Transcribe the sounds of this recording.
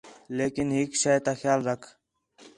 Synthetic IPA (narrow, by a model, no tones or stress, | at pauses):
leːkɪnɦɪkʃajt̪axjaːlɾɐkʰ